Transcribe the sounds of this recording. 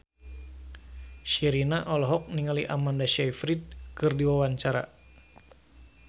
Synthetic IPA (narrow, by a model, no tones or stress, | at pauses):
ʃiɾinaʔɔlɔɦɔk̚niŋaliʔa̰mandaʃɛjfɾit̪̚kɨrdiwawaɲt͡ʃaɾa̰